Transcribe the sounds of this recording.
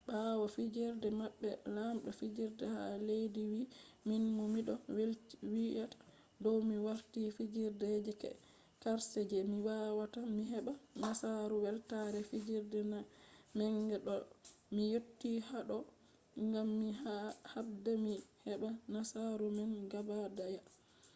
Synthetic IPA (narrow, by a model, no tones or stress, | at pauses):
bawafid͡ʒiɾdɛmaɓːɛlamɗɔfid͡ʒiɾdɛha̰lejdiwiminmumiɗɔwlwiʔatḁ | dɔwmiwaɾtifid͡ʒiɾded͡ʒɛkɛ̰ | kaɾsɛd͡ʒɛmiwawatamiɦɛɓanasaɾuwɛltaɾɛfid͡ʒiɾdɛnamɛŋɡɛɗɔmijotːihaɗɔ | ŋɡamːiahab̚dɛmihɛɓanasaɾumɛnɡabadaja